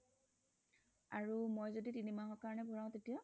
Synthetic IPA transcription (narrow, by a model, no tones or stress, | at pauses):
aɹumojzoditinimaɦɔkaɹɔnɛbʱuɹãʊ̃tetija